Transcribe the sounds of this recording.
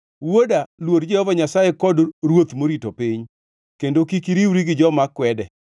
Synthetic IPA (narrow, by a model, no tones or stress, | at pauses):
wodalwodd͡ʒɛhɔvaɲasajɛkɔdɾwot̪moɾitopɪɲ | kendokikiɾiwɾiɡɪd͡ʒɔmakwɛdɛ